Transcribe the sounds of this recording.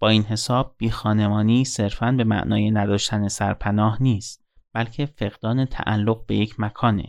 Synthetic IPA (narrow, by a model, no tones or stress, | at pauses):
b̥ɒːiːnɦe̞sɒːb̥̚ːiːxɒːne̞mɒːniːse̞ɾfænbe̞mæ̰ʔnɒːjenæd̪ɒːʃt̪ʰæne̞sæɾpʰænɒːhniːst̪̚ | b̥ælcʰe̞fe̞ɣd̪ɒːnet̪ʰæ̰ʔæ̰lːoɣ̚be̞je̞cʰmækʰɒːnḛ